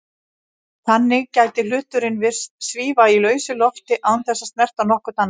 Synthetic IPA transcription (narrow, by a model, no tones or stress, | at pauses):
θanːɪɣcaːjt̪ɪlʏːt̪ʏɾɪnvɪr̥st̪sviːvailœːɥsɪlɔft̪ɪʔawnθɛsːast̪mɛr̥t̪anɔhkʏt̪anː